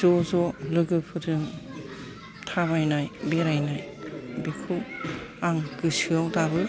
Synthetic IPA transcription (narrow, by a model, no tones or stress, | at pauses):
zɔzɔlɯɡɯpʰɯɾɯŋ | tʰaβajnajbeɾajnaj | bikʰɯwaŋkɯsɯawtabɯ